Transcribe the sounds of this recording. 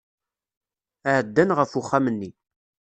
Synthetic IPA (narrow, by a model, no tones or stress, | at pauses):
əʕəd̪ːænʁəfuχːamənːi